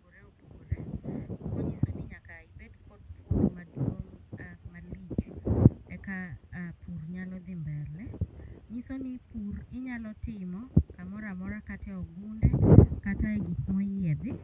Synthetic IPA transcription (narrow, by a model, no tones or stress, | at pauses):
uɾɛɔpuɾɛɔkɔɲisɔniɲakaibɛdkɔdpurmaduɔamalit͡ʃɛkapʰurɲalɔd̪imbɛlɛɲisɔnipurɪɲalɔtɪmɔkamɔɾamɔɾakatɛɔɡundɛkataɛɡimɔijɛd̪ɪ